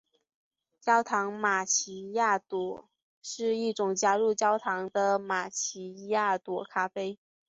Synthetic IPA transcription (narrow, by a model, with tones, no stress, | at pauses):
t͡ɕjɑ˥ʊt̪ʰɑ˧˥ŋma˨˩t͡ɕʰi˧˥ja˥˩t̪wɔ˨˩ | ʂɻ̩˥˧i˥˩ʈ͡ʂʊ˨˩ŋt͡ɕja˥ɻu˥˩t͡ɕjɑ˥ʊt̪ʰɑ˧˥ŋd̪ə˧ma˨˩t͡ɕʰi˧˥ja˥˩t̪wɔ˨˩kʰa˥fe˥ɪ